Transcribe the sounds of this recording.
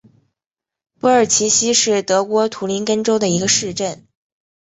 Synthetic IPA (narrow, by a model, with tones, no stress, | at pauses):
pu˧˥ə˞˨˩t͡ɕʰi˧˥ɕi˥ʂɻ̩˥˩t̪ɤ˧˥kwɔ˧˥t̪ʰu˧˥li˧˥nkə˥nʈ͡ʂo˥ʊd̪ə˨i˧˥ɡə˧ʂɻ̩˥˧ʈ͡ʂə˥˩n